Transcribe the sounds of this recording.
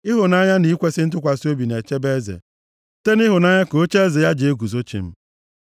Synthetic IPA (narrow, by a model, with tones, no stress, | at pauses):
ɪ˦ɦʊ˨na˦ɲa˦ni˦kʷe˦sɪ˦n̩˦t̬ʊ˦kʷa˨so˦bi˨ne˨t͡ʃe˦be˦zḛ˨ | te˦nɪ˦ɦʊ˨na˦ɲa˦ko˨˦t͡ʃe˦e˦ze˨ja˦d͡ʒe˨e˦ɡu˨zo˦t͡ʃḭ˨m̩˦